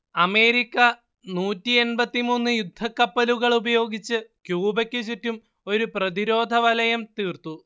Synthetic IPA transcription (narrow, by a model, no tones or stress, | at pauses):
ɐme̞ːɾikʲːɐ | nuːtːie̞nbɐt̪ːimuːnːɨjud̪ʱːɐkːɐpːɐluɣɐɭubɐjo̞ːɡit͡ɕːɨkjuːbɐkʲːɨt͡ɕ̬utːum | o̞ɾuprɐðiɾo̞ːd̪ʱɐʋɐlɐjɐmt̪iːrt̪u